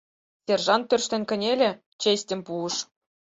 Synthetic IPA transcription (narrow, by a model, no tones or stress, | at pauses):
sʲerʐɑnpʲø̆rʲʃt̪ʲɘ̆nʲkʲɘ̆nʲelʲɘ̆ | t͡ɕesʲtʲɘ̆mʲpuɤ̆ʂ